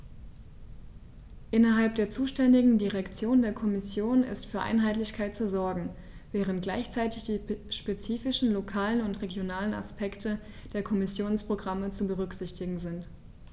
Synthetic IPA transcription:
ʔɪnɐɦalp̚d̥eːɐt͡suːʃtɛndɪɡŋ̩diʁɛkt͡sjoːndeːɐkʰɔmɪsjoːnɪ̰stfyːɐʔa̰ɪnɦaɪtlɪçkʰaɪtt͡suzɔɐɡŋ̩ | vɛːʁ̞əntɡ̥laɪçt͡saɪtɪçd̥iːʃpet͡siːfɪʃn̩lokʰaːlənʊntʁeɡjonaːləna̰spʰɛktʰə | d̥eːɐkʰɔmɪsjoːnspʁ̥oɡʁamət͡subəʁʏkz̥ɪçtɪɡŋ̩zɪnt

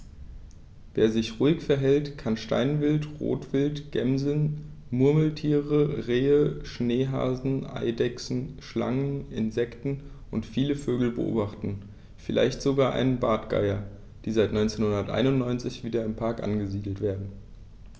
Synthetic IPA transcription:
veːɐzɪçʁuːɪçfɛɐɦɛltkʰanʃta̰ɪnvɪltʁo̰ːtv̥ɪltɡ̥ɛmzən | mʊɐml̩tʰiːʁəʁeːəʃneːɦa̰ːzn̩ʔa̰ɪdɛksn̩ʃla̰ŋənɪnzɛktn̩ | ʔʊntfiːləføːɡl̩bə̰ʔo̰ːbaχtn̩ | fɪlʔa̰ɪçtz̥oɡaːɐʔa̰ɪnənbaːtɡ̥a̰ɪɐ | d̥iːzaɪtnɔʏnt͡seːnhʊndɐtʔa̰ɪnʊntnɔʏnt͡sɪçv̥iːdɐɪmpʰaɐkʔa̰nɡəziːdl̩tv̥eːɐdn̩

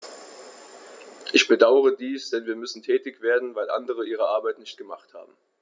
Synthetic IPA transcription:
ʔɪçb̥ədaʊəʁədiːsd̥ɛnviːɐmʏsn̩tʰɛːtɪçv̥eːɐdn̩vaɪlʔa̰ndəʁ̞əʔiːʁəʔaɐbaɪtnɪçt̚ɡ̥əmaχtha̰ːbm̩

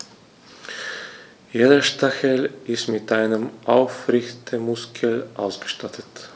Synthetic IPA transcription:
jeːdɐʃtaxəlʔɪstmɪtʔaɪnəmʔaʊfʁɪçtʰəmʊskʰəlʔa̰ʊsɡ̥ə̥ʃtatʰət

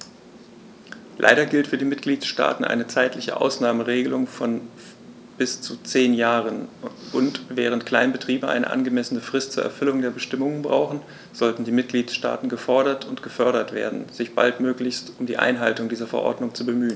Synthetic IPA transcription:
lʔa̰ɪɾɐɡɪltfyːɐdiːmɪtɡ̥liːtʃta̰ːtn̩ʔa̰ɪnət͡saɪtlɪçə̰ʔa̰ʊsnaːməʁeːɡəlʊŋfɔn | b̥ɪst͡sut͡seːnjaːʁənʔʊntv̥ɛːʁ̞əntkl̥aɪnbətʁ̥iːbəʔa̰ɪnə̰ʔa̰nɡəmɛsənəfʁ̥ɪstt͡suːɐʔɛ̰ɐfʏlʊŋdeːɐbəʃtɪmʊŋənbʁa̰ʊxn̩ | z̥ɔltn̩diːmɪt̚ɡ̥liːtʃta̰ːtn̩ɡəfɔɐɾɐtʰʊntɡ̥əfœɐɾɐtv̥ḛːɐdn̩z̥ɪçb̥a̰ltmøːklɪçstʊmdḭːʔa̰ɪnɦaltʊŋdiːzɐfɛɐʔɔ̰ɐdnʊŋt͡subəmyːən

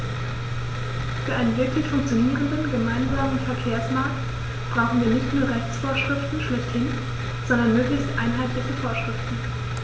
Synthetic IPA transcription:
fyːɐʔaɪnənvɪɐkʰlɪçfʊŋkt͡sjoniːʁəndənɡəmaɪnzaːmənfɛɐkʰeːɐsmaɐk̚t | b̥ʁaʊxn̩viːɐnɪçtnuːɐʁɛçt͡sfoːɐʃʁ̥ɪftn̩ʃlɪçthɪn | z̥ɔndɐnmøːklɪçstʔa̰ɪnɦaɪtlɪçəfoːɐʃʁ̥ɪftn̩

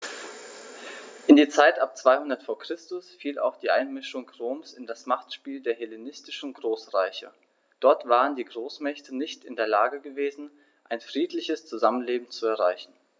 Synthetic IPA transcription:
ʔɪndiːɐt͡saɪtʔap̚t͡sv̥aɪhʊndɐtfoːɐkʁ̥ɪstʊsfiːla̰ʊxd̥iːʔaɪnmɪʃʊŋʁoːmsɪndasmaχtʃpiːldeːɐɦelenɪstɪʃn̩ɡʁoːsʁaɪçɐ̰ | d̥ɔɐtv̥aːʁ̞əndiːɡʁoːsmɛçtənɪçtɪndeːɐlaːɡəɡəveːzn̩ | ʔaɪnfʁ̥iːtlɪçəst͡suzamənleːbm̩t͡suɛɐʁaɪçn̩

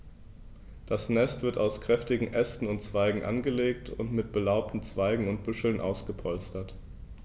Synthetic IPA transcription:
d̥asnɛstv̥ɪɐtaʊskʁ̥ɛftɪɡŋ̩ʔɛstn̩ʊntt͡sv̥aɪɡŋ̩ʔa̰nɡəleːk̚tʰʊ̰ntmɪt̚b̥əlaʊp̚tn̩t͡sv̥aɪɡŋ̩ʊnt̚b̥ʏʃl̩nʔa̰ʊsɡ̥əpʰɔlstɐt

